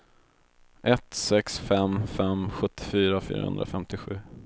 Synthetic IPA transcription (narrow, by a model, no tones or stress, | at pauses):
ʔɛt̪sɛksfɛmfɛmɧɵt̪ʰːɪ̥fyːɾafy̰ːɾahɵ̰nd̪ɾa̰fɛmt̪ɪɧʉ̟ː